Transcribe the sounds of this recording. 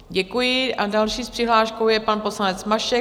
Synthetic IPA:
ɟɛkujɪʔadalʃiːspr̝̥ɪɦlaːʃkowjɛpanpo̞slanɛt͡smaʃɛ

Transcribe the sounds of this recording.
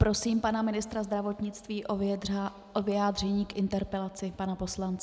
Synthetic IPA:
pɾo̞siːmpanamɪnɪst̪ɾazd̪ɾavo̞t̪ɲɪt͡st̪viːʔo | ʔovɪaːd̪r̝ɛɲiːkʔɪnt̪ɛɾpɛlat͡sɪpanapo̞slant͡sɪ

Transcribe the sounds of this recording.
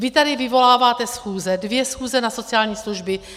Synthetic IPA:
vɪt̪adɪvɪvo̞laːvaːt̪ɛsxuːzɛdvjɛsxuːzɛnaso̞t͡sɪjaːlɲiːsluʒbɪ

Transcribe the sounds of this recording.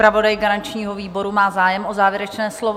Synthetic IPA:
pɾavo̞dajɡaɾant͡ʃɲiːɦoviːbo̞ɾumaːzaːjɛmʔozaːvjɛɾɛt͡ʃnɛːslov

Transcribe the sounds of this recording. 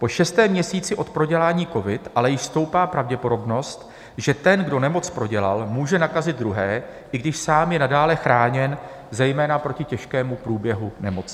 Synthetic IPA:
po̞ʃɛst̪ɛːmɲɛsiːt͡sɪʔo̞t̪pɾo̞ɟɛlaːɲiːko̞vɪt̪ʔalɛjɪʃst̪o̞wpaːpɾavɟɛpo̞do̞bno̞st̪ | ʒɛt̪ɛnɡdo̞nɛmo̞t͡spɾo̞ɟɛla̰lmuːʒɛnakazɪd̪̚d̪ɾuɦɛːʔɪɡdɪʃsaːmjɛnadaːlɛxɾaːɲɛn | zɛjmɛːnapɾo̞cɪcɛʃkɛːmupɾuːbjɛɦunɛmo̞t͡s

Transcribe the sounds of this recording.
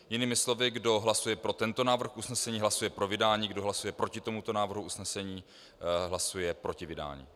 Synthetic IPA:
jɪniːmɪslo̞vɪɡdo̞ɦlasujɛpɾo̞t̪ɛnt̪o̞naːvr̩xʔusnɛsɛɲiːɦlasujɛpɾo̞vɪdaːɲiːɡdo̞ɦlasujɛpɾo̞cɪt̪o̞mut̪o̞naːvr̩ɦuusnɛsɛɲiː | ɦlasujɛpɾo̞cɪvɪda̰ːɲḭː

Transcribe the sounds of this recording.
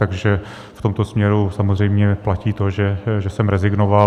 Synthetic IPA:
t̪aɡʒɛ | ft̪omt̪o̞smɲɛɾusamozrɛjmɲɛplaciːt̪o̞ʒɛʒɛsɛmɾɛzɪɡnova

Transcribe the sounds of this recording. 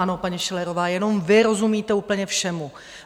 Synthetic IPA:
ano̞paɲiʃɛlɛɾo̞vaːjɛno̞mvɪɾo̞zumiːt̪ɛuːpl̩ɲɛfʃɛmu

